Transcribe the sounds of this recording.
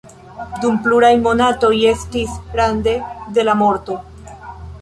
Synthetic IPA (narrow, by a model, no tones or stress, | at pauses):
dumpluɾajmo̞nato̞je̞stisɡɾande̞de̞lamo̞ɾto̞